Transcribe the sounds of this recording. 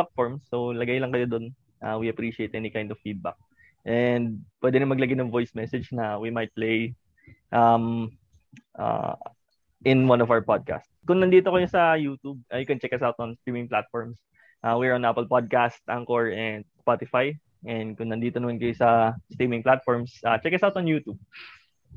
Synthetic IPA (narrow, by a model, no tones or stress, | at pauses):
at̪̚fɔɹmsːowlɐɡajlɐŋkɐjod̪on | ʔawiɐpɹiʃɪejt̪ʔɛnɪkaj̃nd̪ɔvfid̪̚ba̰k̚ | ʔɛnd̪̚pwɛd̪ɛnʊmɐɡlɐɡajnɐŋvojsmɛsɛd͡ʒnɐwimajt̪̚plej | ʔam | ʔa̰ | ʔɪnwɐ̃nɔvawəɹpad̪̚ka̰st̪skʊŋnɐnd̪iːt̪okɐjosɐjuːt̪ub̚ʔɐjʊkɛnt͡ʃɛkɐsawt̪ɔnst̪ɹiːmɪ̃ŋplat̪̚fɔɹms | ʔaːwiɹɔnʔapɛlpad̪̚kast̪̚ʔaŋkoɹɛnd̪̚spat̪ɪfaj | ʔɛnd̪̚kʊŋnɐnd̪iːt̪onɐmɐnkɐjosɐst̪ɹimɪ̃ŋplat̪̚fɔɹmsʔat͡ʃɛkɐsawt̪ɔnjuːt̪ub̚